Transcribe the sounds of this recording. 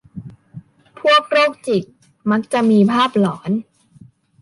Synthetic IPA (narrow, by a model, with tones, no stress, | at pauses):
pʰu˥˩ək̚ɾoː˥˩k̚t͡ɕi˨˩k̚ | ma˦˥k̚t͡ɕa˨˩ʔmiː˧pʰaː˥˩p̚lɔː˩˦n